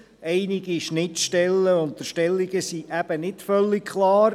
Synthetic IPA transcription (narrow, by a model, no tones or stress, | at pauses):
ʔɛɪniɡiʃnɪtʃtɛlːəʊntəʃtɛlːiɡəsiʔæb̥ənɪtfœlːikkʰlɑːɾ